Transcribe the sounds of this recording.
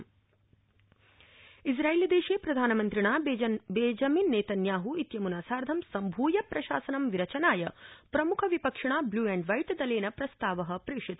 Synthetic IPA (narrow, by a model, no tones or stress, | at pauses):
is̬ɾaːeːlid̪eːʃeːpɾɐd̪ʱaːnɐmɐnt̪ɾiɳaːbeːd͡ʒɐminːeːt̪ɐnjaːɦuit̪jɐmunaːsaːɾd̪ʱɐmsɐmbʱuːjɐpɾɐʃa̰ːsɐnɐmʋiɾɐt͡ʃɐnaːjɐpɾɐmukʰɐʋipɐkʂɐɳ̃aːbluːɛɳɖʋɐjʈd̪ɐleːnɐpɾɐst̪aːʋɐɦɐ̆pɾiːʂit̪